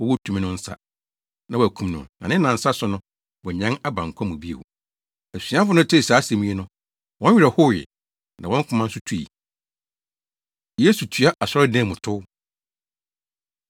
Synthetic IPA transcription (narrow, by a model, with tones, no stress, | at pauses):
wɔ˦wɔ˦tʰu˨mĩ˦nʊ̃˦n̩˦sa̰˦ | nã˦wɔ˨kʰũ˨mnʊ̃˨nã˨nɪ̃˦nã˨n̩˦sa˦sʊ˦nʊ̃˦ | wɔ˨ɲɛ̃˦na˦bã˨ŋ̩˨kʰʷã˦mũ˨bi˦ḛ˨w | æ˨si˨˦ã˦fʊ˦nʊ̃˦tʰɪ˦˨saː˨˦se˨mĩ˦e˦nʊ̃˦ | wɔ̃˦n˦ɥᶣɪ˨ɾa˨hʊ˦jɪ̰˨ | nʔã˨wɔ̃˦ŋ˦kʰʊ̃˨˦mã˦n̩˦sʊ˦tʰu˦ḭ˨ | je˦su˨tʰu˨a˦ʔa˨sɔ˦ɛ˦dɛ̃˦˨mʊ̃˨tʰʊ˦